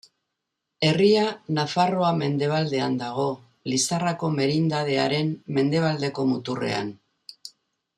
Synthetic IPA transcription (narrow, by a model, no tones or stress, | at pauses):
e̞rianafaro̞ame̞nd̪e̞β̞ald̪e̞and̪aɣ̞o̞ | lisarako̞me̞ɾind̪að̞e̞aɾe̞mme̞nd̪e̞β̞ald̪e̞ko̞mut̪ure̞̰a̰n